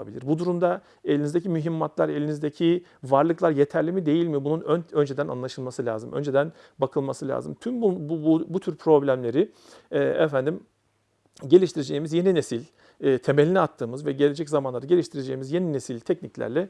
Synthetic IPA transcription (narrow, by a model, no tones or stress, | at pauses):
bilʲiɾbud̪uɾumd̪a | e̞lʲinizd̪ecʰimyɦimːat̪lˠaɾe̞lʲinizd̪ecʰi | vaɾlˠɯklˠaɾje̞t̪ʰæɾlʲimid̪e̞jilʲmibununønønd͡ʒe̞d̪æna̰nlˠaʃɯlˠmasɯlʲa̰ːzɯmʔø̰nd͡ʒe̞d̪æn | bakʰɯlˠmasɯlʲa̰ːzɯ̰mt̪ʰymbubbut̪ʰyɾpʰɾo̞blʲæmlʲe̞ɾɪ | ɛːɛfænd̪im | ɟe̞lʲiʃt̪ʰiɾed͡ʒe̞jimizje̞ninesilʲ | ɛt̪ʰe̞me̞lʲinɛat̪ʰːɯːmɯzvɛɟe̞lʲe̞d͡ʒɛczamanˠaɾɯaɟe̞lʲiʃt̪ʰiɾed͡ʒe̞imizje̞ninesilʲt̪ʰɛcniclʲæ̰ɾlʲɛ